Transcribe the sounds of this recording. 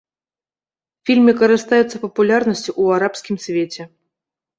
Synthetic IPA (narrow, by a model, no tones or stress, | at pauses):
fʲilʲmʲikɐɾɨst̪ajut̪sɐpɐpulʲarnəsʲt͡sʲuaɾapskʲimsʲvʲet͡sʲɛ